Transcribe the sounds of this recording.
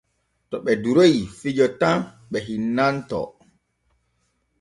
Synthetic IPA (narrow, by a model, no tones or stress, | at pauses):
tɔɓɛduɾojifid͡ʒɔtam | ɓɛɦinːantɔ̰